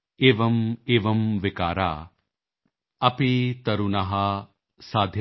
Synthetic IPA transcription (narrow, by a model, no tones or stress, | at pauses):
eːʋɐmeːʋɐmʋɪkaːɾaː | ɐpit̪ɐɾunɐɦɐ | saːd̪ʱj